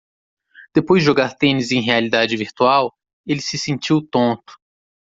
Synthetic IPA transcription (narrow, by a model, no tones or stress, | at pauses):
d̪̥epojzd͡ʒɪʒoɡaɾt̪ẽnizẽj̃ɦealid̪ad͡ʒɪviɾt̪uaw | elɪsɪsẽnt͡ʃiwt̪õnt̪ʊ̥